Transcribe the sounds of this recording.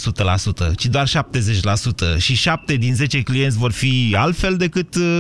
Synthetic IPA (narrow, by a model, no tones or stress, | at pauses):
sut̪əlasut̪ə̰t͡ʃid̪oarʃap̚t̪e̞ze̞t͡ʃʲlasut̪ə̰ʃiʃap̚t̪e̞d̪inze̞t͡ʃe̞klijent̪sʲvo̞rfialt̪fe̞ld̪e̞kɨt̪